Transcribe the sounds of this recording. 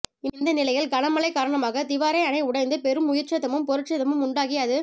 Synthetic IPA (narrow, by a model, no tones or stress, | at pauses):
ɪɪnd̪ɐnɪlɐɪjɪlɡɐɳɐmɐɭɐɪkːaːɾɐɳɐmaːɣɐt̪ɪʋaːɾɐɪɐɳɐɪʊɽɐɪnd̪ɯpɛɾɯmːʊjɪɾt͡ʃɐt̪ðɐmɯmpɔɾɯʈt͡ʃɐðɐmɯmʊɳɖaːɣɪɐðɯ